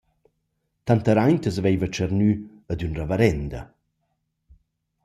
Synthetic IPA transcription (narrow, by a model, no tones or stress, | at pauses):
t̪ant̪əɾajnt̪əsvejvət͡ʃəɾny | əd̪ynrəvəɾɛnd̪ə̰